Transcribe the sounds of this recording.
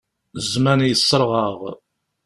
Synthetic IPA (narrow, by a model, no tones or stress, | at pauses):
zmænjəsˤːəɾˤʁəʁ